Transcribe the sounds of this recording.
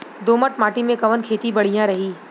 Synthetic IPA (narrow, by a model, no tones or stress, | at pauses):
d̪oːməʈmaːʈimẽkɐʋənkʰeːt̪ibɐɽ̤ijãɾɐɦiː